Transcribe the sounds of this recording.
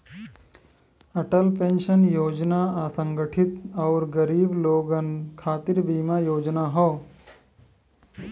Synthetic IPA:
ɐʈəlpẽnʃənjoːd͡ʒnaaːsə̃ŋɡəʈʰit̪ɐːɾɡɐɾiːbloːɡənkʰaːt̪iɾbiːmajoːd͡ʒnaɦɔː

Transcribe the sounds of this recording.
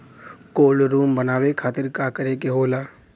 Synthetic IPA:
koːlɾuːmbənaːwekʰaːt̪ɪɾkakəɾekeɦoːlaː

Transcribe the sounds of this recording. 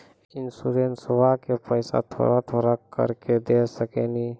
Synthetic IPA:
ɪnsuɾeːnsbakepəɪsa̰t̪ʰo̰ːɾat̪ʰoːɾakə̰ɾked̪esəkeni

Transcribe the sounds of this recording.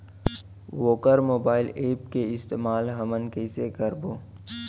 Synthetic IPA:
ʋoːkəɾmoːbaːɪleːp̚keɪst̪eːmaːlɦɐmənkeɪsekəɾboː

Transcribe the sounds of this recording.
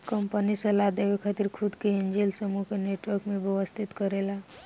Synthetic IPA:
kəmpənisəlad̪eʋekʰat̪iɾkʰud̪keend͡ʒelsəmukeneʈwəɾkmebjeʋəst̪ʰit̪kəɾela

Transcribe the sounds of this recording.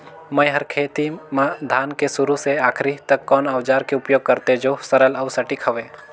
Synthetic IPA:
məjɦəɾkʰeːt̪imãd̪ʱaːnkesʊɾuseaːkʰɾit̪əkːɔːnaːʋd͡ʒaːɾkeʊpjoːɡ̚kəɾt̪ed͡ʒosəɾələʊsəʈikʰɦəʋeː

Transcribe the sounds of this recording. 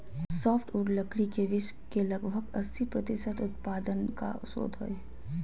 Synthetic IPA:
sɔːpʰʈuɖləkɽikeʋɪʃ | kelɐɡbʱəɡɐsːipɾɐt̪ɪʃət̪ʊt̪̚paːd̪ənka̰so̰ːd̪ʱɦo̰e

